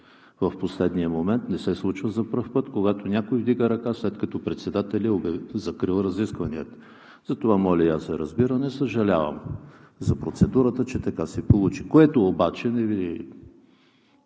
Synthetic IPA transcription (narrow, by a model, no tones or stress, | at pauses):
vɐfposlɛd̪nijəmomɛnt̪nɛsɛslˠut͡ʃvəzɐpɾɤfpɤt̪koɡat̪onʲakoivd̪iɡəɾɐkaslɛt̪kɐt̪ɔpɾɛt̪sɛd̪at̪ɛlʲəobɛzɐkɾilˠɾɐziskvɐniət̪ | zɐt̪ovamɔlʲɐiasɛɾɐzbiɾənɛsəʒɐlʲavə̰mzɐpɾot̪sɛd̪uɾət̪ət͡ʃɛt̪ɐkasɛpolˠut͡ʃikoɛt̪oːbat͡ʃɛnɛvi